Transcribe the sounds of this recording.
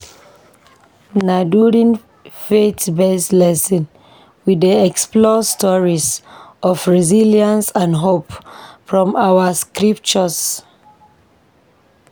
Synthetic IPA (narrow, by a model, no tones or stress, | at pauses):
naduɾĩn | fetbeslɛsĩn | widiɛksplɔstʰɔɹisɔfɹiziliãnsãndɦopfɹɔ̃mʔawəskɹip̚t͡ʃɔs